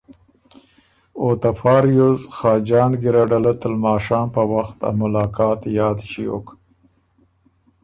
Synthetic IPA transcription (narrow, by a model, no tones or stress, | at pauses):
ot̪afɑːɾjozxɑːd͡ʒɑːnɡɪɾaɖalat̪əlmɑːʃɑːmpəwaxt̪a̰mʊlɑːkɑːt̪jɑːd̪ʃio̰k